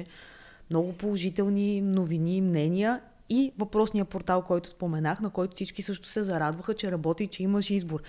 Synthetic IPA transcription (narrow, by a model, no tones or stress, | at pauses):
ɛ | mnɔɡʊpolˠoʒit̪ɛlˠninovinimnɛniə | ivɐpɾɔsnijəpoɾt̪alˠkɔjt̪ʊ̥spomɛnaxnɐkɔjt̪ʊfsit͡ʃkisɤʃt̪ʊ̥sɛzɐɾad̪vəxət͡ʃɛɾɐbɔt̪it͡ʃɛiməʃizboɾ